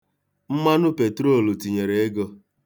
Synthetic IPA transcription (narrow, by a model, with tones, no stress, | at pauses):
m̩˦ma˦nʊ˦pe˨tɾo˦˨lo˨ti˨ɲe˨ɾe˨e˦ɡɔ˧